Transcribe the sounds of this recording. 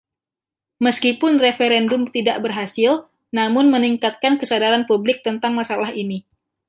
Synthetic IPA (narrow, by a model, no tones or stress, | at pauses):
məskipʊnrefeɾɛndʊmt̪idaʔbərɦasɪl | namʊnməniŋkat̪̚kankəsadaɾanpublɪk̚t̪ənt̪aŋmasalaɦini